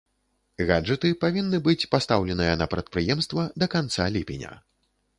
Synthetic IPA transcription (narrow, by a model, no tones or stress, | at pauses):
ɣad͡ʐɨt̪ɨpavʲinːɨbɨt͡sʲpast̪awlʲɛnɨjɐnɐpɾɐt̪̚pɾɨjɛmst̪vɐd̪ɐkant̪salʲipʲinʲɐ̰